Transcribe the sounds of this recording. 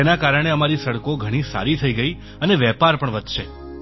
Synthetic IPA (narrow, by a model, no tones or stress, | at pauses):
enakaɾəɽ̃eəmaɾisəɽkoɡʱəɽ̃isa̰ɾit̪ʰəiɡəi | əneʋɛpaɾpəɳʋəd̪ʱʃe